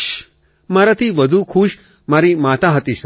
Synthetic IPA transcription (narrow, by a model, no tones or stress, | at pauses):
maɾat̪ʰiʋəd̪ʱukʰuːʃ | maɾimat̪aɦət̪is